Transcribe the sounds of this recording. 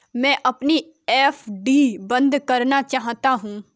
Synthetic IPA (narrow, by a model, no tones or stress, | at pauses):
mɛ̃ːʔɐpni | eːfʰɖiːbɐ̃nd̪kɐɾnat͡ʃaːɦt̪aɦũː